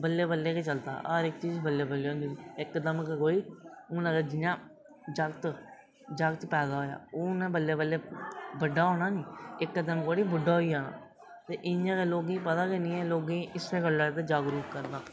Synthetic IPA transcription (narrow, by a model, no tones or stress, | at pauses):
bəlːeːbəlːeːket͡ʃəlt̪a̰ːəɾɪkt͡ʃiːzbəlːeːbəlːeːõːnd̪iɪkːd̪əmkkoːiːʊnãɡəd͡ʒɪɲãː | d͡ʒəkt̪ | d͡ʒakt̪pɛːd̪aːɦoːja̰ːoːnẽːbəlːeːbəlːeːbəɖːaːɦoːɽ̃aːnĩːɪkːd̪əmkoːɽiːbʊɖːaːoiːaːna̰ː | t̪eːʔɪnãːkeːloːɡĩːpət̪aːkenĩːɛːloːɡĩːʔɪseːkəlːaːt̪eːd͡ʒaːɡɾuːpkəɾd̪aː